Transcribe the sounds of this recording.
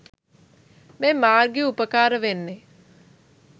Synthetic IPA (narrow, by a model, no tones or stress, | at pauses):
mɛ̃ːmaːɾɡiʊpəkaːɾʋenːeː